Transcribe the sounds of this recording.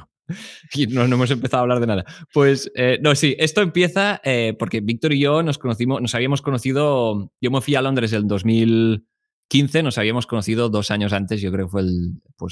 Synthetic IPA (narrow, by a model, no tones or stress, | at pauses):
inonoemos̬empeθaoaβlaɾð̞enaðapwesenosiʔest̪oempje̞θaepoɾkeβik̚t̪oɾiʝonoskonoθimonosaβiamoskonoθið̞oɟ͡ʝomefwialond̪ɾezðeld̪o̞zmil | kinθe̞nosaβiamo̞skonoθið̞oðo̞saɲosant̪e̞zjokɾeokefwelpwes